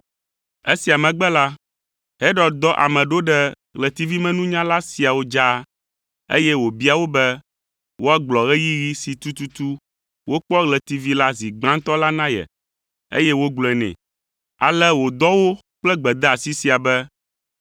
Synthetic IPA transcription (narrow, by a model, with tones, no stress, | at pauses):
e˦si˨a˨mɛ̃˨ɡ͡bɛ˦la˦ | ɦe˦ɖɔ˨d̪ɔ˦ʔa̰˨mɛ̃˨ɖo˦ɖɛ˦ | ɣlɛ˨t̪i˦vi˦mɛ̃˦nũ˦ɲã˦la˦si˨a˨wo˦d͡ʒa˦ | ḛ˦jɛ˦wo˨bi˦a˨wo˦bɛ˦ | wo˦a˦ɡ͡blɔ˨ɣɛ˦ji˦ji˦si˨t̪u˦t̪u˦t̪u˦ | wo˦k͡pɔ˦ɣlɛ˨t̪i˨vi˦la˦zi˨ɡ͡bã˦n˦t̪ɔ˦la˦nã˦jɛ̰˨ | ḛ˦jɛ˦wo˦ɡ͡blɔ˨ɛ˨nɛ̰̃˨ | a̰˨lɛ˦wo˨d̪ɔ˦wo˦ | k͡plɛ˦ɡ͡bɛ˨d̪ɛ˦a˨si˦si˨a˨bɛ˦